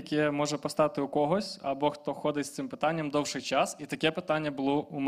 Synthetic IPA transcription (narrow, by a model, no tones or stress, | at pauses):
ɐkʲɛmɔʒɛpɔst̪ɑt̪ɪukɔɦɔsʲɐbɔxt̪ɔxɔd̪ɪtʲst̪sɪmpɪt̪ɑnʲːɐmd̪ɔwʃɪjt͡ʃɑsit̪ɐkɛpɪt̪ɑnʲːɐbʊlˠɔum